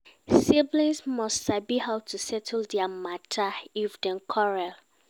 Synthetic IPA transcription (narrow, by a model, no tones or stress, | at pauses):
siblĩnsmɔstsabihawtʰusɛtʰldɛamatʰaifdɛ̃nkʰɔɹal